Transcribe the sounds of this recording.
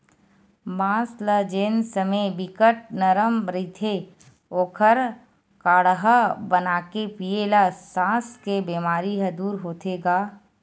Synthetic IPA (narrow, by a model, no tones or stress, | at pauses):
bãːsləd͡ʒeːnsəmebɪkəʈ̚nəɾəmɾit̪ʰe | oːkʰəɾ | kaːɽɦabənaːkepielasãːskebeːmaːɾiɦəd̪uːɾɦoːt̪eːɡaː